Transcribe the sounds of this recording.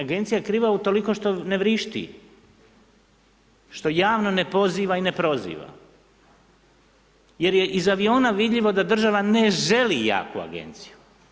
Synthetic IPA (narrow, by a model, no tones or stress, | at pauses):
aɡe̞nt̪sijakɾiːʋaut̪o̞liko̞ʃt̪o̞ne̞ʋɾiʃt̪ḭ | ʃt̪o̞jaːʋno̞ne̞po̞ziːʋaine̞pɾo̞zḭːʋa̰ | je̞ɾjeʔizaʋio̞ːnaʋid̪ʎʲiʋo̞d̪ad̪r̩ʒaʋane̞ʒe̞lija̰ːkua̰ɡḛnt̪si̥ju